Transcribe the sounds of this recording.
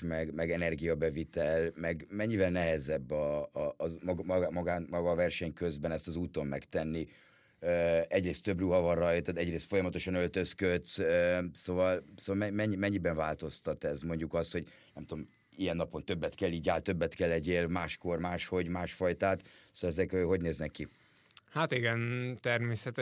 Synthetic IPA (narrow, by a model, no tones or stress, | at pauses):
mɛɡmɛɡɛnɛrɡijɒbɛvit̪ɛlmɛɡmɛɲːivɛlnɛɦɛzɛbːɒːzmɒɡmɒɡmɒɡaːmɒɡɒːvɛrʃɛɲkø̞zbɛnɛst̪ɒzuːt̪o̞mːɛkt̪ɛnːi | øɛɟreːst̪ø̞bruɦɒvɒrɒjt̪ːat̪ɛɟreːst̪fo̞jɒmɒt̪o̞ʃɒnølt̪ø̞skøt̪søsovɒlsoːvɒlmɛmɛɲːimɛɲːibɛɱvaːlt̪o̞st̪ɒt̪ɛzmo̞ɲɟukɒst̪ho̞ɟ | nɛmt̪oom | iɛnːɒpont̪ø̞bːɛt̪kɛlːiːɟaːlt̪ø̞bːɛt̪kɛlːɛɟeːlmaːʃko̞rmaːʃho̞ɟmaːʃfɒjt̪aːt̪soːlɛzɛkøɦo̞ɟneːznɛkːi | hat̪iɡɛnt̪ɛrmeːsɛt̪ɛ